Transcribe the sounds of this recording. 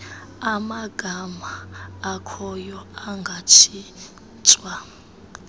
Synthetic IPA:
amaɡ̥ʱamaːkʰɔjɔaŋɡʱat͡ʃʰi | t͡sʼwa

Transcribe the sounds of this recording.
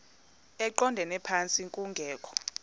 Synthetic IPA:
ɛǃɔndʱɛnɛpʰant͡sʼiŋkʼuŋɡʱɛːkʰɔ̥

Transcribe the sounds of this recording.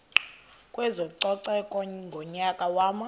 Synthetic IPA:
kʼwɛzɔǀɔǀɛkʼɔŋɡʱɔɲakʼawaːma

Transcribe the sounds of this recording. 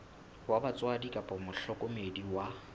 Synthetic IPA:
wabat͡sʼwadikʼapʼɔmʊɬɔkʼɔmediwa

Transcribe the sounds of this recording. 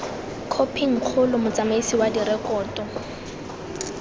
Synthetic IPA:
kʰopʰiŋ̩q͡χʰʊlʊmʊt͡sʼamaisiwadirɛkʼɔːtɔ

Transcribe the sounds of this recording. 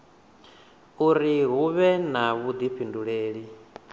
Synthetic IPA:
uɾiɦuβɛnaβud̪ipʰinduɺeːɺi

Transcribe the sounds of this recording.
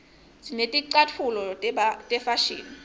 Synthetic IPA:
zinetʼiǀatʰulɔtʼɛfaʃḭːni

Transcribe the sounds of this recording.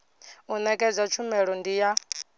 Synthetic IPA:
unɛkʼɛd͡zʷat͡ʃʰumɛɺɔndija

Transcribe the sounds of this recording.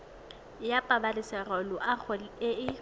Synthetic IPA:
japʼabalɪsɛrɔlʊʔaχʊɪɪ

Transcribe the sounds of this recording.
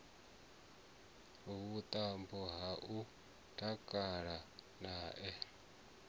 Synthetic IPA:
βut̪ʼambɔɦaʔu | tʰʼakʼaɺanaːʔɛ

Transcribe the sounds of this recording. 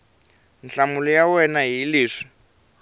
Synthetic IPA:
nɬamulɔjawɛnaɦiliːʂi̥

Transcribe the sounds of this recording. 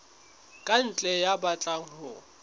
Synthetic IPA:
kʼan̩t͡ɬʼɛjabat͡ɬʼaŋ̩hʊ

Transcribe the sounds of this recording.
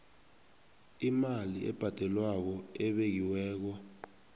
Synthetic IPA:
imaliʔɛ̰b̥ʱad̥ʱɛlwak̬ɔɛɓek̬iwɛːk̬ɔ

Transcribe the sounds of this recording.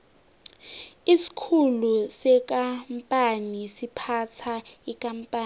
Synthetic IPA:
isi̥kʰulusɛk̬ʼampʼanisipʰat͡sʰaikʼampʼaː

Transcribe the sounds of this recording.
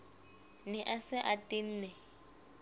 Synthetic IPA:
nɪʔasɪʔatʼin̩ːnɛ

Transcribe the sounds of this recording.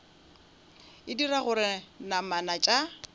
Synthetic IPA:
ɪdiraɣʊɾɪnamanat͡ʃʼa

